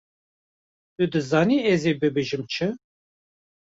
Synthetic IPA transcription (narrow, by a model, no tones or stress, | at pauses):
t̪ud̪ɨzɑːniːɛzeːbɨbeːʒɨmt͡ʃʰɨ